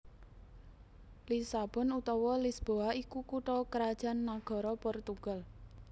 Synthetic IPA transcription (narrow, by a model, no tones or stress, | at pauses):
lisab̥ɔ̤nut̪ɔwɔlisb̥oaikukuʈɔkəɾad̥ʒ̥a̤nːaɡ̥ɔ̤ɾɔpɔrt̪uɡ̥al